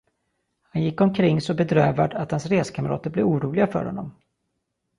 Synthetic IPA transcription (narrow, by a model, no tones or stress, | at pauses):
hanjɪkːɔmkʰɾɪŋːsɔbɛd̪ɾøːvad̪at̪hansɾeːskʰaməɾɑ̰ːt̪əɾblɛvuːɾuːlɪɡafœ̰ːɾhɔ̰nːɔ̰m